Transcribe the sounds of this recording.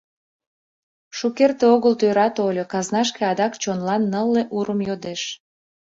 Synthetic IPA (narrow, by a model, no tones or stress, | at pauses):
ʃukert̪eoɣəlt̪øɾɑt̪olʲokɑznɑʃkeɑd̪ɑkt͡ɕonlɑnːəlːeʔuɾəmjod̪eʃ